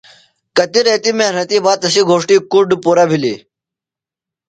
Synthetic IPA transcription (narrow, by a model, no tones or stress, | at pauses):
kət̪iːɾɐt̪iːmenɐt̪iːbaːt̪əsiːɡʱoːʂʈiːkuɖpuːɾaːbʱilḭː